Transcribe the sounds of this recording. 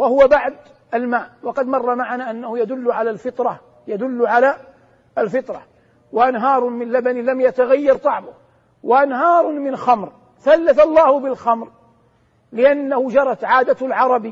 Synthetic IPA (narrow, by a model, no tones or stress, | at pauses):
wahʊwabaʕd̪ | almaːʔwɑqɑd̪mɑrˤːɑmaʕanaːʔanːahʊjad̪ʊlːʕalalfɪt̪ˤɾɑ | jad̪ʊlːʕala | alfɪt̪ˤɾɑ̰ | waʔanɦɑːɾˤmɪnlabanɪlamjat̪aɣajːɑɾˤt̪ˤɑʕmʊ | waʔanhɑːɾˤmɪnxamɾ | θalːaθalˤːɑːhʊbɪlxamɾ | lɪʔanːahʊd͡ʒɑɾˤɑt̪ʕaːd̪alʕɑɾˤɑbi